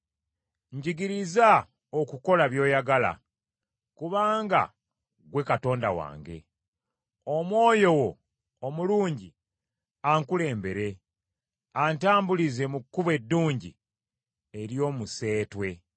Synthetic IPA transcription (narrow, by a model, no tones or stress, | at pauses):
ɲɟiɡiɾiza | okuko̞laβjo̞ːjaɡala̰ | kuβaːŋɡa̰ | ɡwe̞kato̞ːndawa̰ːŋɡe̞̰ | o̞mwo̞ːjo̞wo̞ | omuluːɲɟi | aŋkule̞ːmbe̞ɾe̞ | antaːmbulize̞mukːuβe̞dːuːɲɟḭ | eɾjo̞ːmuse̞ːtwe̞